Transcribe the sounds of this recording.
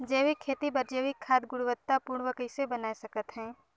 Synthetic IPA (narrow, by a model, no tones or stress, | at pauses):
d͡ʒeːʋikʰːeːt̪ibɐɾd͡ʒeʋɪkʰːaːd̪ɡʊɽuʋət̪ːapuːɾɳ̃ʋəkəɪsebɐnaːisɐkət̪ɦɛ̃ː